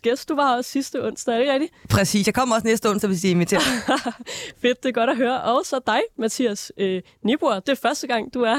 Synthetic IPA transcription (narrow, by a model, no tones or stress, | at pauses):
ɡ̥esd̥d̥uʋɑ̈ɒ̽sːisd̥əɔ̽n̰sd̥ɐæɐeɡ̥ʁɛɡ̥d̥ipʰʁɛsḭːsjɑ̈ɪkɒ̽m̰ɐɒ̽snesd̥əɔ̽n̰sdɒʋesiːenmit͡sʰe̝̰ɐ | fe̝d̥̚ːe̝ɡ̥ɒɾ̥æɦøːɐʔɒ̽ʊsɒ̽d̥ɑ̈ɪmæt͡sʰiæsø | nib̥uɐd̥e̝æɐfɶɐsd̥əɡ̥ɑ̈ŋ̰d̥uæɐ